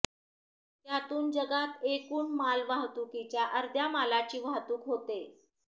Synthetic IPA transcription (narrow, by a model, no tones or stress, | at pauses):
t̪jat̪uːnd͡ʑəɡat̪ekuːɳmalʋaɦt̪ukit͡ɕjaʔəɾd̪ʱjamalat͡ɕiːʋaɦt̪uːkɦot̪e